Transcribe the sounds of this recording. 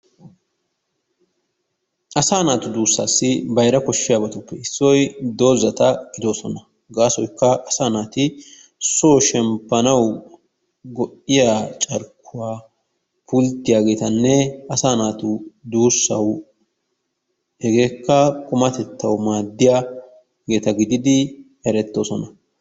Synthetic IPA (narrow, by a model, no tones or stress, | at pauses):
ʔɐsaːnaːt̪ʊd̪uːsːa̰ːsːɪbɐjɾɐkɔʃːɪjaːbɐt̪ʊpːɛɪsːɔjd̪o̞ːzɐt̪ɐɡɪd̪o̞ːsɔnɐ | ɡaːsɔjkːɐʔɐsaːnaːt̪ɪ | soːʃɛmpːɐnɐw | ɡɔʔɪjaːt͡ʃʼɐɾkʰːʊwaː | pʊlt̪ːɪjaːɡe̞ːt̪ɐnːɛɐsaːnaːt̪ʊd̪uːsːɐw | ɛɡe̞ːkːɐkʼʊmɐt̪ɛt̪ːɐwmaːd̪ːɪjaː | ɡe̞ːt̪ɐɡɪd̪ɪd̪ɪ | ɛɾɛt̪ːo̞ːsɔnɐ